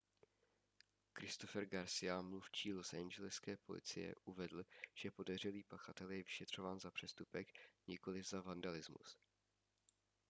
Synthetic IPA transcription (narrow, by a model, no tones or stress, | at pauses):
kɾɪst̪o̞fɛɾɡaɾsɪjamluft͡ʃiːlo̞sand͡ʒɛlɪskɛːpo̞lɪ̰t͡sɪ̰jɛ̰ʔuvɛd̪l̩ʒ̥ɛpo̞dɛr̝ɛliːpaxat̪ɛljɛvɪʃɛt̪r̝̥o̞vaːnzapr̝̥ɛst̪upɛkɲɪko̞lɪzavandalɪzmṵs